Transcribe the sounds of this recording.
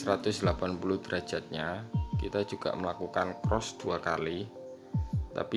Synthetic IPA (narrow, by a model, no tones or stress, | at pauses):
sɾat̪ʊsd̪lapanpulud̪əɾḁd͡ʒ̥a̤t̪̚ɲakit̪ḁd͡ʒuɡ̥a̰ʔməlakukankɾɔsd̪̥uaka̰li | t̪a̰pi